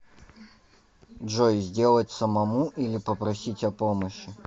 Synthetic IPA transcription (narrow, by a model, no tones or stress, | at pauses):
dʐojzʲdʲe̞lˠət̚ʲsəmɐmuʔilʲɪpəpɾɐsʲitʲɐpoməɕːɪ